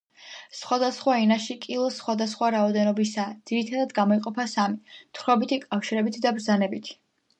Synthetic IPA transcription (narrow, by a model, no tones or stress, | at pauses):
sχwad̪asχwainaʃikʼilˠɔsχwad̪asχwaɾaɔd̪ɛnɔbisaːd̪z̥iɾit̪ʰad̪ad̪ɡamɔiqʼɔpʰasamit̪ʰχɾɔbit̪ʰikʼafʃiɾɛbit̪ʰd̪abɾdzanɛbit̪ʰi̥